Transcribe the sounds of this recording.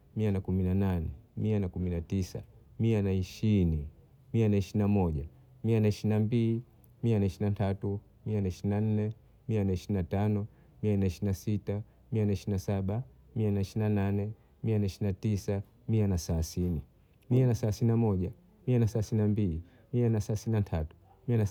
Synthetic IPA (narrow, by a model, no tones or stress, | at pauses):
mianakuminananɛ̰mianakuminatisa̰mianaiʃiɾini | mianaiʃinamɔʄa | mianaiʃinambili | mianaiʃinatʰatu | mianaiʃiinan̩nɛ | mianaiʃiɾinatanɔ | mianaiʃinasita | mianaiʃiinasaɓa | mianaiʃiinananɛ | mianaiʃinatisa | mianasaasini | mianasalasiinamɔʄa | mianasaasinnambili | mianasaasinatʰatu̥ | miana